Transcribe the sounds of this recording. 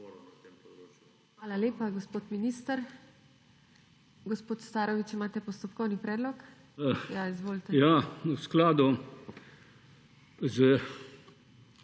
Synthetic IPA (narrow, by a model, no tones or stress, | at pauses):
ʋaːlaleːpaɡospoːt̪miniːst̪əɾ | ɡɔspoːt̪st̪aːɾɔʋit͡ʃimaːt̪ɛpɔst̪ɔpkɔwnipɾɛːd̪lɔk | jaizʋoːlt̪ɛjausklaːd̪u | zə